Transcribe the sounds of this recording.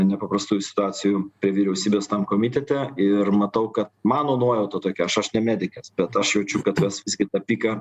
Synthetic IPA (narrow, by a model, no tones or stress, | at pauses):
nʲɛpɐpɾɐst̪uːjʊsʲɪ̥t̪ʊɑːt͡s̪ʲɪjupʲɾʲiɛʋʲiɾʲɛʊsʲiːbʲeːst̪ɐmkoːmʲɪt̪ʲɛt̪ʲɛɪrmɐt̪ɐʊkɐt̪mɑːnoːnuɔjɛʊt̪ɐt̪oːkʲɛɐʃɐʃnʲɛmʲæːd̪ʲɪkʲɐsbʲɛt̪ɐʃjɛʊt͡ʃʲʊkɐt̪ʋʲɛsʋʲɪzʲɡʲɪt̪ɑpʲiːkɐ